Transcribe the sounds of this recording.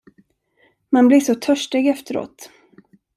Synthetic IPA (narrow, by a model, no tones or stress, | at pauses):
manblɪʂɔt̪ʰœʂʈeɡɛft̪əɾo̰ːt̪